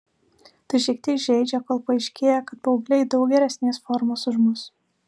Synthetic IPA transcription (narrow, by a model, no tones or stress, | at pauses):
t̪ɐɪʃʲɛɪk̚t̪ʲɛːkʒʲɛɪd͡ʒʲɛkoːlˠpɐɪʃʲkʲeːjɛkɐt̪̚pɐʊɡlʲɛɪd̪ɐʊɡʲɛɾʲɛsʲnʲeːsfɔɾmoːsʊʒmʊs